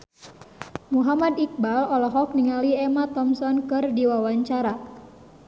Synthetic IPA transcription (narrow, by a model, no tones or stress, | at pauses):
muɦamadik̚balɔlɔɦɔk̚niŋaliɛmat̪ɔmsɔnkɨrdiwawaɲt͡ʃaɾa